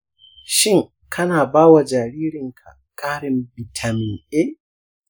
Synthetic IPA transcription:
ʃɪ˦ŋ | kʰɐ˦naː˨baː˦wa˨d͡ʒa˨ɾiː˦ɾɪ˨ŋkʰa̰˨ | kʼaː˦ɾɪ˨mbɪ˨tʰa˨mɪ˨nʔeː˦

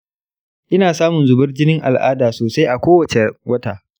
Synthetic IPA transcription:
ʔɪ˦naː˨saː˦mʊ˨nzʊ˨bɐ˦rd͡ʒɪ˦nɪ˦ŋʔa̰˨lʔa̰ː˦daː˨soː˨sa˦jʔa˨kʷoː˦wɐ˨t͡ʃe˨wɐ˦ta̰ː˨

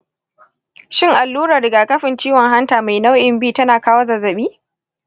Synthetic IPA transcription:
ʃɪ˦˨ŋʔa˨lːuː˦ɾaː˨ɾɪ˨ɡaː˨kɐ˦ɸɪ˨nt͡ʃiː˦wɔ˨ŋɦa˦ntaː˨ma˨jna˦wʔɪ˨mbiː˦tɐ˦naː˨kaː˦wo˦zɐ˨zɐ˨ɓiː˦

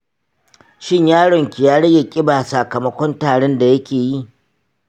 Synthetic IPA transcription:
ʃɪ˦ɲjaː˦ɽɔ˨ŋkʲi˨jaː˦ɽɐ˦ɡʲe˨kʲʼɪ˦baː˨sa˨kɐ˨mɐ˦kʷɔ˦ntaː˨ɽɛ˦nda˨jɐ˦kʲeː˨ji˦

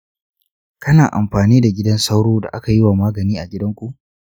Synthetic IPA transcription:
kɐ˦naː˨ʔa˨mɸaː˨niː˦da˨ɡʲɪ˦dɐ˦nsa˦wɽoː˦da̰˨ʔa˦ka˨jɪ˦waː˨maː˦ɡɐ˨niː˦ʔa˨ɡʲɪ˦dɐ˦ŋkʷu˨ʔ

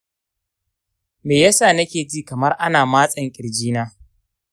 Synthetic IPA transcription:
meː˨jɐ˦saː˦˨nɐ˦kʲeː˨d͡ʒiː˦˨kɐ˨mɐ˦rʔa˦naː˨maː˦sʼɐ˦ŋkʲʼɪ˨rd͡ʒiː˦naː˦

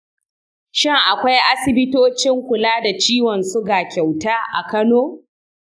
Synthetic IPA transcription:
ʃɪ˦ŋʔa˨kʷa˦jʔa˦sɪ˨bɪ˦toː˦t͡ʃɪ˦ŋkʷʊ˨laː˦da˨t͡ʃiː˦wɔ˨nsʊ˦ɡaː˨kʲa˨wtaː˦ʔa˨kɐ˦noː˦

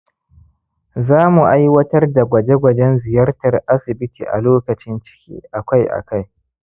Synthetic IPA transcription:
zaː˦mu˨ʔa˦jwɐ˦tɐ˦rda˨ɡʷɐ˨d͡ʒe˦ɡʷɐ˨d͡ʒɛ˦nzɪ˨jɐ˦rtɐ˨rʔa˦sɪ˨bɪ˦tʰḭː˨ʔa̰˨loː˦kɐ˨t͡ʃɪ˦nt͡ʃɪ̥˦kʲḭː˦ʔa˨kʷa˦jʔa̰˨ka˦j

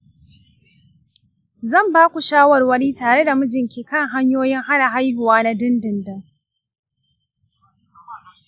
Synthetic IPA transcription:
zɐ˦˨mbaː˦kʷu˨ʃaː˦wɐ˨rwɐ˦niː˦taː˨ɽe˦da˨mʊ˦d͡ʒɪ˨ŋkʲeː˨kɐ˦ŋɦa˦ɲjoː˦jɪ˦ŋha˦na˨ɦa˦jɦʊ˨waː˦na˦dɪ˦ndɪ˨ndɐ˦ŋ

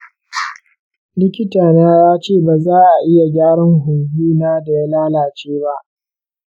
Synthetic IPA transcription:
lɪ˦kʲɪ˦taː˨naː˦jaː˦t͡ʃeː˦˨baː˨zaː˦ʔa˨ʔɪ˦ja˨ɡʲaː˦ɽɐ˦ŋɦʊ˨ŋhiː˦naː˦da˨ja˦laː˦laː˨t͡ʃeː˦ba˦ʔ

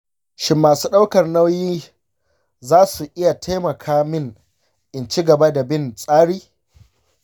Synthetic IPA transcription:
ʃɪ˦mːaː˨suː˦ɗa˦wkɐ˨rna˦wjiː˦ | zaː˦su˨ʔɪ˦ja˨tʰa˦jmɐ˨kʰaː˦mɪ˦ŋ | ʔɪ˨nt͡ʃi˦ɡɐ˨ba˦da˨bɪ˦nsʼaː˦ɽiː˦

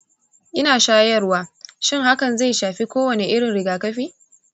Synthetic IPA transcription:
ʔɪ˦naː˨ʃaː˦jɐ˦rwaː˦ʃɪ˦˨ŋha˦kɐ˨nza˦˨jʃaː˨ɸiː˦kʷoː˦wɐ˨ne˨ʔɪ˦ɽɪ˨nɽɪ˨ɡaː˨kɐ˦ɸiː˦

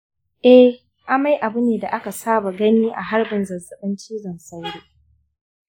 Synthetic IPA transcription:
ʔɛ˦ | ʔa˦ma˦jʔa˨bʊ˦neː˨da˨ʔa˦ka˨saː˦ba˨ɡɐ˦niː˦ʔa̰˨ɦa˦ɽbɪ˨nzɐ˨zɐ˨ɓɪ˦nt͡ʃiː˦zɐ˨nsa˦jɽoː˦

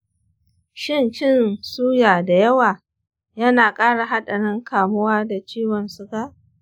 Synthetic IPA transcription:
ʃɪ˦nt͡ʃɪ˦˨nsuː˦jaː˨da˨jɐ˦waː˨ | jɐ˦naː˨kʼaː˦ɽa˨ɦa˦ɗɐ˨ɽɪ˦ŋkʰaː˨mʊ˦waː˦da˨t͡ʃiː˦wɔ˨nsʊ˦ka˦ʔ

